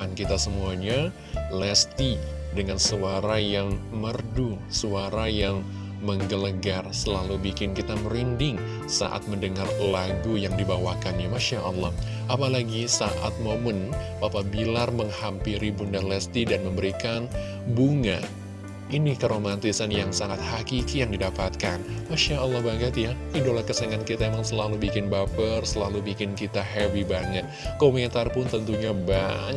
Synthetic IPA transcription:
ankit̪asəmuaɲa | lɛst̪idəŋansəaɾajaŋmərdu | suaɾajaŋ | məŋɡələɡarsəlalubikɪnkit̪aməɾindɪŋ | sa̰ʔa̰t̪̚məndəŋarlaɡujaŋdibawakanjamaʃaʔɑlːɔh | ʔapalaɡisaʔa̰t̪̚momənbapabilarməŋhampiɾibundalɛst̪idanməmbəɾikan | buŋa̰ | inikəɾomant̪isanjaŋsaŋat̪̚hakikijaŋdidapat̪̚kanmaʃaʔəlːɑhbaɡət̪ja | idolahkəseŋankit̪aemaŋsəlalubikɪnbapərsəlalubikɪnkit̪aɦɛbibaŋət̪̚komɛnt̪arpʊnt̪ənt̪uɲaba̰ɲ

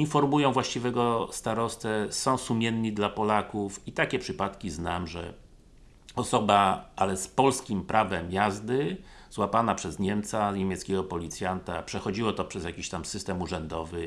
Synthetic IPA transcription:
infɔɾmujɔ̃w̃vwaɕt͡ɕivɛɡɔst̪aɾɔst̪sɛsɔ̃w̃sumʲjɛnɲid̪lapɔlakufit̪akʲɛpʂɘpat̪kʲiznamʐɛ̰ | ɔsɔbaʔalɛspɔlskʲimpɾʔavɛmjazd̪ɘzwapanapʂɛzɲɛmt̪saɲemʲjɛt̪skʲɛɡɔpɔlʲit̪sʲjant̪a̰pʂɛxɔd͡ʑiwɔt̪ɔpʂɛzjakʲiɕt̪amsɘst̪ɛmuʐɛnd̪ɔvɘ

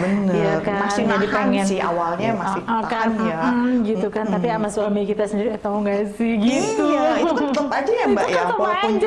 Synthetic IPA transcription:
bənəjakamasnɪd͡ʒadipeŋɛnsia̰walɲamasɪakanm̩ɡit̪ukant̪apiamasʊɦamikit̪asəndiɾiat̪awŋɡasɪhɡit̪ut̪əpad͡ʒajaŋbajaət̪id͡ʒ

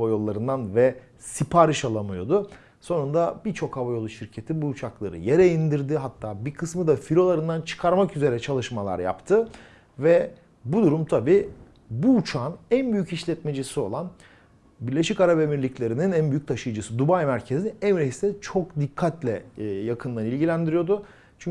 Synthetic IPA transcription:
vajo̞lˠːaɾɯnd̪anvɛ | sipʰaːɾɯʃalˠamɯjo̞d̪ʊ | so̞nund̪abiɾt͡ʃʰo̞kavajo̞lˠuʃiɾcʰe̞t̪ʰibuːt͡ʃʰaklˠaɾɯ̰jeɾɛind̪iɾd̪iɦat̪ʰːaːbikʰɯsmɯd̪afiɾʲo̞lˠaɾɯnd̪ant͡ʃʰɯ̥kʰaɾmakyze̞ɾɛt͡ʃʰalˠɯʃmalˠa̰ɾja̰pt̪ʰɯ | vɛ | bud̪uɾumt̪ʰabiː | buːt͡ʃʰaːnænbyjyciʃlʲɛt̪med͡ʒisio̞lˠan | biɾlʲe̞ʃicaɾabemiɾlʲiclʲe̞ɾininænbyjyc̚ʲt̪ʰaʃɯjd͡ʒɯsɯd̪ubajmæɾcʰe̞ziɛmɾeɦist̪ɛt͡ʃʰo̞k̚d̪ikʰːat̪lʲɛjakʰɯnd̪anilʲɟilʲænd̪iɾijo̞d̪ʊ | t͡ʃʰy

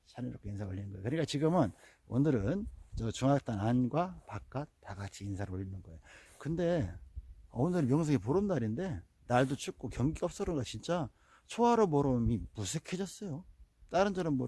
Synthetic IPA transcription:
t͡ɕʰaɾeɾokʰeinsʰao̰ʎːinɯnɡʌeokɯɲik͈at͡ɕiɡɯmɯn | o̰nɯɾɯnt͡ɕʌt͡ɕuŋak̚t͈ananɡwapak̚k͈ataɡat͡ɕʰiːnsʰaɾɯoɭːinɯnɡʌejo | kɯnde̞ | onɯɾɯmjʌŋs̬ʰʌŋepoɾɯmdaɾinde̞ | naɭdot͡ɕʰuk͈okjʌŋɡiʌp̚s͈ʌɾɯnɡat͡ɕint͡ɕ͈a | t͡ɕʰoaɾomʌɾɯmimusʰekʰe̞d͡ʑʌs͈ʌjot͈aɾɯnd͡ʑʌɾɯnmo

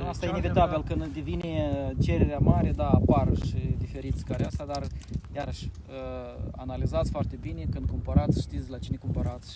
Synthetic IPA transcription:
ast̪ajeinevit̪abilkɨnd̪d̪evinet͡ʃe̞ɾeɾeamaɾed̪aːparʃid̪ife̞ɾit̪sʲkaɾeast̪ad̪arjaɾəʃʲ | əa̰nalizat̪sʲfoart̪e̞bine̞kɨnd̪̚kumpaɾat̪sʲʃt̪it̪sʲlat͡ʃine̞kumpaɾat̪sʲ

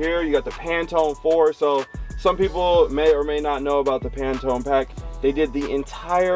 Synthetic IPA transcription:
iɹjɨɡɑt̪̚ðɨpʰæ̃ntʰõʊ̃nfɔɹsoʊsʌ̃mpipl̩ˠmeɪə˞meɪnətⁿnoʊəbaʊt̪̚ðəpʰæ̃ntʰõʊ̃npæk̚ðeɪdɨd̪̚ðiɪ̃ntʰaɪə

